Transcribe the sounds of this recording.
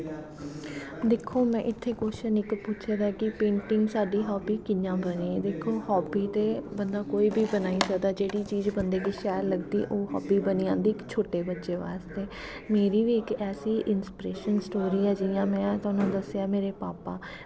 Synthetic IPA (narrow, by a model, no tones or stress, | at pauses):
d̪eːkʰːoːmɛ̃ːʔɪt̪ʰːeːkoːʃənɪkput͡ʃʰːd̪akɪpẽːɳʈɪŋɡsaːɖiːɦɔːbiːkɪɲãːbəniːd̪eːkʰːoːhɔːbiːt̪eːbənd̪aːkoːiːbiːbənaːisəkd̪aːd͡ʒeːɽiːt͡ʃiːzbənd̪eːkiːʃaːjɾləɡd̪iːʔoːɦɔ̰ːbiːbəniãːnd̪iːkt͡ʃʰoːʈeːbətːʃeːʋaːst̪eː | meːɾiːʋiːɪkɛːsiːʔɪnspɪɾeːʃənsʈoːɾiːɛːd͡ʒɪjãːmɛ̃ːt̪aːnõːd̪əsɪjaːmeːɾeːpaːpaː